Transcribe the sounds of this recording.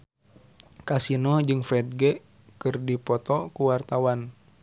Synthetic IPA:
kasinɔd͡ʒɨŋfɾɛd̪̚ɡɛ | kɨrdipɔt̪ɔkuwart̪awan

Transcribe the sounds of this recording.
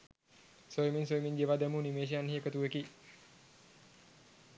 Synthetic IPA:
sojiminsojmiŋɡeʋaːd̪ɛmunimeːʃ̬ijanhiəkət̪ueki

